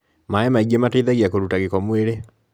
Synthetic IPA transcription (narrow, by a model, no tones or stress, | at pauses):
maɛmaiɡiemateiðaɣiakoɾutaɣekɔmweɾe